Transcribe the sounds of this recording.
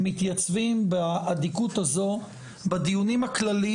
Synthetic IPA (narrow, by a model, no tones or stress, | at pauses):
mit̪jat͡svimbead̪ikut̪azo̞ | bad̪ijunimaklali